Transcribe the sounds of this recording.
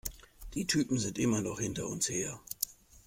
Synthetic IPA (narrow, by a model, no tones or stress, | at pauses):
d̥iːtʰyːpm̩zɪntʔɪmɐnɔχhɪntɐʊ̰nsheːɐ